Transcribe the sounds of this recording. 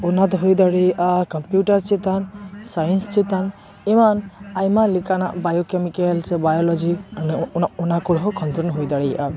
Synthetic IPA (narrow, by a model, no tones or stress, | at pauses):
ɔnat̪ɦojd̪aɽijʔakɔmpjuʈaɾt͡ʃit̪ansajənst͡ʃit̪an | imanajmalikana̰ʔbajokemikelsebajɔlɔd͡ʒinɔnakɔɽɦɔkʰɔnt̪ɔɾnɦojd̪aɽijʔa